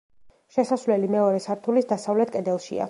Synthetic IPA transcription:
ʃɛsasvlɛlimɛɔɾɛsaɾt̪ʰulisd̪asavlɛt̪ʰkʼɛd̪ɛlˠʃḭa̰

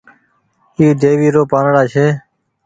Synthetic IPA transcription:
iːd̪eːʋiːɾoːpaːnɽaːt͡ʃʰeː

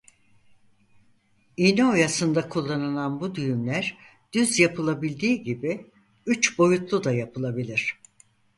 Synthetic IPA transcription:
iniojasɯnd̪akʰulˠːanɯlˠanbud̪yjymlʲæɾ | d̪̥yzjapʰɯlˠabilʲd̪iːɟibi | yt͡ʃbo̞jut̪lˠud̪ajapʰɯlˠabilʲiɾ̝̥

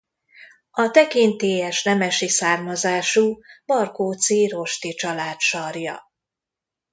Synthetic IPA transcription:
ɒt̪ɛkint̪eːjɛʃnɛmɛʃisaːrmɒzaːʃubɒrkoːt̪siɾo̞ʃt̪it͡ʃɒlaːt̪ʃɒrjɒ̰

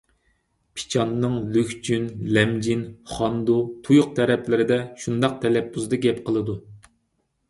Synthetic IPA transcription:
pʰi̥t͡ʃʰɑnːɨŋlykʲt͡ʃʰynlɛmd͡ʒinχɑnd̪ut̪ʰujʊq̚t̪ʰɛɾɛpʰlɪɾɪd̪ɛʃund̪ɑq̚t̪ʰɛlɛpːuzd̪ɨɡʲɛpqʰəlˠɨd̪u

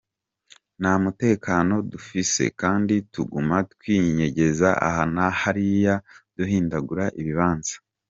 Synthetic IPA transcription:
namute̞ːkaːno̞dufise̞̰kaːndituɡumatkwiːɲe̞ɟe̞zaʔa̰hanahaɾijad̥uɦiːndaɡuɾaʔiβiβaːnzḁ

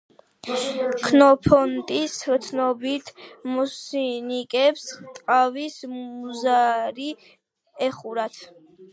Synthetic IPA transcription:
kʰnɔpʰɔnt̪ʼist̪sʰnɔbit̪ʰmɔsinikʼɛpst̪ʼqʼavismzaɾi | ɛχuɾat̪ʰ

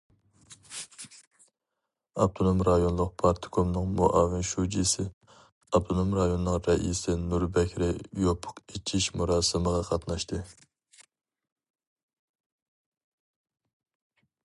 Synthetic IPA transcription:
ɑb̚t̪ʰonomɾɑjonlˠʊq̚pʰɑɾt̪ʰɨ̥kʰomnɨŋmuʔɑːvɪnʃud͡ʒisɪ | ɑb̚t̪ʰonomɾɑjonɨnɨŋɾɛʔḭsɪnuɾbɛkʲɾɪjopʰʊ̥qet͡ʃʰiʃmuɾɑːsɨməʁɑqʰɑt̪nɑʃt̪ɨ

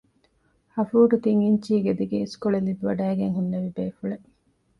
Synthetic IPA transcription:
hɐfuːʈut̪iŋiɲt͡ʃiːɡed̪iɡeiskoɭelid̪uʋɐɖæːɡeŋɦunːɐʋibeːfuɭe

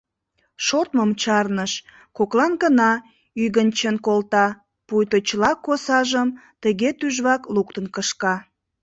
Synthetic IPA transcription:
ʃot̪məmt͡ɕɑrnəʃ | koklɑnɡənɑ | yɣənt͡ɕənkolt̪ɑ | pujt̪ot͡ɕlɑkosɑʒəmt̪əɣet̪yʒβɑkluk̚t̪ənkəʃkɑ

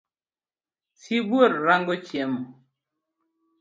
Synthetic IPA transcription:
sibwoɾɾaŋɡɔt͡ʃjɛm

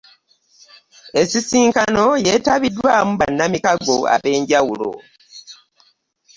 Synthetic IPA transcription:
e̞sisiːŋkano̞je̞ːtaβidːwaːmuβanːamikaɡo̞̰a̰βe̞ːɲɟawulo̞̰

